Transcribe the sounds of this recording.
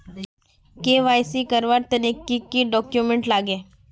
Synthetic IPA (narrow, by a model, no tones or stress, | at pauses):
keʋaːjsikɐɾʋaɾt̪ɐnikːikiɖɔːkjumẽɳʈlaːɡeː